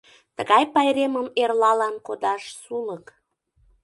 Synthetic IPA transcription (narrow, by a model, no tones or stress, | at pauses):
t̪əɣɑjpɑjɾeməmerlɑlɑnkod̪ɑʃsulək